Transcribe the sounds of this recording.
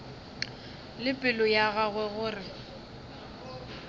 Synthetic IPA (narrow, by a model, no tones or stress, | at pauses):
lɪpʼɪlɔjaɣaɣwɛɣʊːrɪ